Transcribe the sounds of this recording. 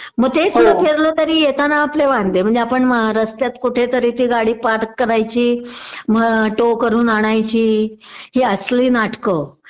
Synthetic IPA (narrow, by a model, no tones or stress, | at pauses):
məɡ̚t̪ʰet͡səpʰeɾlət̪əɾiːjet̪anaːpleʋãnd̪em̤əɳd͡zeapəɳməɦaɾəst̪jat̪kuʈʰet̪əɾit̪iːɡaɽiːpaɾkːəɾajt͡ɕiːməʈokəɾuːnaɽ̃ajt͡ɕiːɦiːəsliːnaʈkə